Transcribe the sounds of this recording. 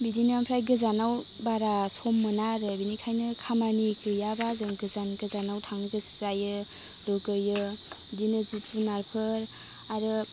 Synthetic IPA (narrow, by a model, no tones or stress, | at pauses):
bidinampʰɾajɡɯzanaw | baɾasomːɯnaɾɯbinikʰajnɯkʰamanikʰɯjabazɯŋɡɯzanɡɯzanawtʰaŋɡɯszajɯ | lokɯjɯ | bidinɯzitunaɾpʰɯɾ | aɾɯ